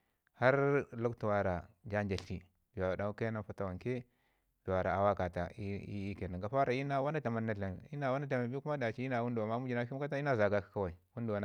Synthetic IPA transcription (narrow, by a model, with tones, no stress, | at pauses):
ha˦ɾlu˦ktu˨wa˨ɾa˨d͡ʒa˦nd͡ʒa˨ɬi˦ | bi˨wa˨a˨da˨u˦ka˦na˦fa˦ta˨wa˨ŋke˦ | du˨wa˨ɾa˨a˨wa˦ka˨ta̰˨i˦i˦ke˨na˨ŋɡa˨fa˦ɾa˨i˦na˦wa˦na˦ta˨ma˨nna˨˦ɬa˨n˨i˦na˦˨wa˦na˦ta˨ma˨bi˦ku˦ma˦da˨t͡ʃi˦i˦na˨wu˦ndu˨a˨ma˦mu˦d͡ʒi˨na˦ki˦ka˦ta˦i˦na˦za˨ɡa˦kḁ˨ka˦wa˨i˨wu˦ndu˨wa˨n˨